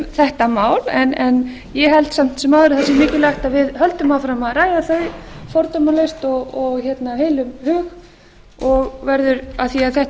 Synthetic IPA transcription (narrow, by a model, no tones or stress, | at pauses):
θɛht̪amaːwlɛnɛn | jɛɦɛlt̪sam̥t̪sɛmaːwðʏɾɪθɛsɪmɪːcʏlajht̪aðvɪðhœlt̪ʏmafɾamaðraːjðaθœɥfɔɾt̪ɔmalest̪ɔɣɔɣçɛt̪naheːjlʏmhʏːɣ | ɔɣvɛɾðʏɾaðθiaðθɛht̪